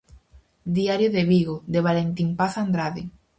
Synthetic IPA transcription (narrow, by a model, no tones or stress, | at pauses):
d̪iaɾjoðeβiɣod̪eβ̞alent̪impaθand̪ɾaði